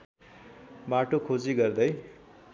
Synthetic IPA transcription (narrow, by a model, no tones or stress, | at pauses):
maʈokʰod͡ziɡʌrd̪ʌj